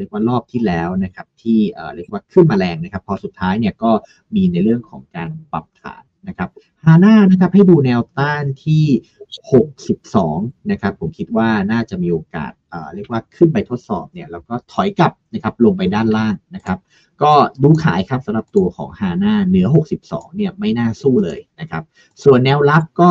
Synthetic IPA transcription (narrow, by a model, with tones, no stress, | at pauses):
ɾi˥˩əkwaː˥˩ɾɔː˥˩p̚t̪ʰiː˥˩lɛː˦˥wna˦˥kʰa˦˥p̚t̪ʰiː˥˩ʔə̰ː˨˩ɾi˥˩ək̚waː˥˩kʰɯ˥˩nmaː˧lɛː˧ŋna˦˥kʰa˦˥pʰːɔ˧su˨˩t̪ʰːaː˦˥jni˥˩əkɔː˥˩ | miː˧na˧jɾɯ˥˩əŋkʰɔ̰ː˩˦ŋkaː˧npa̰˨˩p̚t̪ʰa̰ː˩˦nːa˦˥kʰa˦˥p̚ | haː˧naː˥˩na˦˥kʰa˦˥p̚ha˥˩jduː˧nɛː˧wt̪aː˥˩nt̪ʰiː˥˩ | ho˨˩k̚si˨˩p̚sɔː˩˦ŋna˦˥kʰa˦˥pʰːo˩˦mkʰi˦˥t̪̚waː˥˩naː˥˩t͡ɕa˨˩ʔmiː˧ʔoː˧ka̰ː˨˩t̪̚ʔə̰ː˨˩ɾɯ˥˩ək̚waː˥˩kʰɯ˥˩np̬a˧jt̪ʰo˦˥t̪̚sɔː˨˩p̚ni˥˩ɐlɛː˦˥wkɔː˥˩t̪ʰɔ˨˩˦jka˨˩p̚na˦˥kʰa˦˥p̚lo˧ŋpa˧jdaː˥˩nlaː˥˩ŋna˦˥kʰa˦˥p̚ | kɔː˥˩duː˧kʰa̰ː˩˦jkʰa˦˥p̚sa˨˦mɾa˨˩p̚t̪u˧ɐkʰɔ̰ː˩˦ŋhaː˧naː˥˩nɯ˨˩˦ɐɦo˨˩k̚si˨˩p̚sɔ̰ː˩˦ŋni˥˩ɐma˥˩jnaː˥˩suː˥˩lɤ̰ː˧jna˦˥kʰa˦˥p̚ | su˨˩ənːɛː˧wla˦˥p̚kɔː˥˩